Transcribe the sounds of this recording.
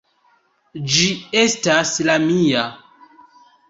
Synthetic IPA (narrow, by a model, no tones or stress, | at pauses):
d͡ʒie̞staslamia